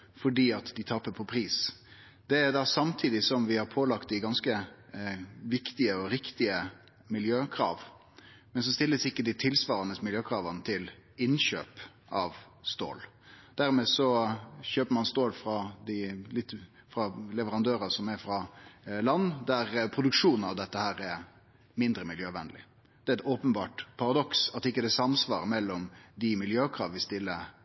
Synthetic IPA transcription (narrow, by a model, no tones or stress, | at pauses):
fɔɖiːɑt̪d̪ɪt̪ʰɑpːəpʰɔpʰɾiːs | d̪̥ɛæɾd̪ɑsɑmt̪ʰiːd̪ɪsɔmʋɪhɑɾpʰoːlɑkt̪d̪ɪɡɑnskə | ʋɪkt̪ɪəɔɾɪkt̪ɪə | mɪljøːkʰɾɑ̰ːʋ | mɛns̬ɔst̪ɪlːəsɪkːəd̪ɪt̪ʰɪlsʋɑːɾɑnəsmɪljøːkʰʁɑːʋɑnət̪ʰɪlɪnɕø̰ːp | ɑʋ | st̪o̰ːl | d̪̥æɾmeːsɔçøːpəmɑnst̪oːlfɾɑd̪ɪlɪt̪ː | fɾɑlɛʋəɾɑnd̪øːɾɑsɔmɛɾfɾɑlɑnːd̪æɾpʰɾʊd̪ʉkʂuːnn̩ɑʋd̪ɛt̪ːəhæːɾɛ | mɪnd̪ɾəmɪljøːʋɛnlɪ̰ | d̪ɛæɛt̪oːpənbɑːʈpʰɑɾɑd̪ɔksɑt̪ːɪkːəd̪ɛsɑmsʋɑ̰ːɾmɛlːɔmd̪ɪmɪljøːkʰɾɑːʋʋɪst̪ɪlːə